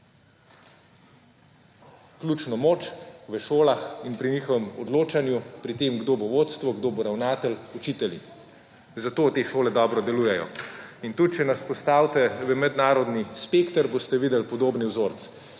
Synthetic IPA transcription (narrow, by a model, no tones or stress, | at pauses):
klʲjut͡ʃnɔmoːt͡ʃʋəʃoːlaxinpɾiniːxɔʋɛmɔd̪loːt͡ʃanjupɾit̪eːmɡd̪oːboʋoːt̪st̪ʋɔɡd̪oːboɾawnaːt̪ɛlɔt͡ʃiːt̪ɛlḭ | zat̪oːt̪eʃoːlɛd̪ɔːbɾɔd̪ɛluːjɛjɔ̰int̪ut̪̚t͡ʃɛnaspɔst̪aːwt̪ɛʋəmɛd̪naːɾɔd̪nispeːkt̪əɾboːst̪ɛʋiːd̪ɛlpɔd̪oːbniwzoːɾt̪s